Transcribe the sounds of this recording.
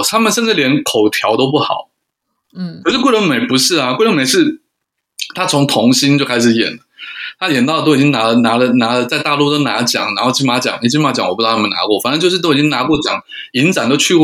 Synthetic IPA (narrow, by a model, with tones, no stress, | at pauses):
t̪ʰa˥mə˨nʂə˥˧nʈ͡ʂɻ̩˥˩ljɛ˧˥nkʰo˨˩ʊt̪ʰjɑ˧˥ʊt̪o˥ʊp̬u˥˩xɑ˨˩˦ʊ˥˩ | kʰə˨˩ʂɻ̩˥˧kwe˥˩ɪlə˧˥ŋme˨˩ɪpu˧˥ʂɻ̩˥˩a˩kwɪlə˧˥me˨˩ɪʂɻ̩˥˩ | t̪ʰa˥t͡sʰʊ˧˥ŋt̪ʰʊ˧˥ŋɕi˥nt͡ɕjo˥˧ʊkʰa˥ɪʂ̬ɻ̩˧˩jɛ̰˨˩nlə˦t̪ʰa˥jɛ˨˩nt̪ɑ˥˩ət̪o˥ʊi˨˩t͡ɕi˥ŋna˧˥lə˨na˧˥lə˨na˧˥lə˨t͡sa˥˧ɪt̪a˥˧lu˥˩t̪o˥ʊna˧˥t͡ɕjɑ̰˨˩˦ŋna˧˥xo˥˧t͡ɕʰy˥˩ma˧˥t͡ɕjɑ̰˨˩˦ŋi˨˥˩t͡ɕʰi˥ma˧˥˩t͡ɕjŋwɔ˨˩pu˥˧˥ə˨na̰˧˥kwɔ˥˩fa˨˩nə˧˥nt͡ɕjʊʂɻ̩˥˧o˥ʊ˨˩t͡ɕi˥ŋna˧˥kwɔ˥˩t͡ɕjɑ̰˨˩ŋ | i˧˥nt͡sa˨˩nt̪o˥ʊt͡ɕʰy˥˧